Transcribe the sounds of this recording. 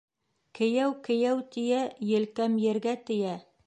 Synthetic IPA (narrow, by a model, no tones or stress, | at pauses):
kɘ̆jæwkɘ̆jæwt̪ĭjæjɘ̆lkæmjɘ̆ɾɡæt̪ɘ̆jæ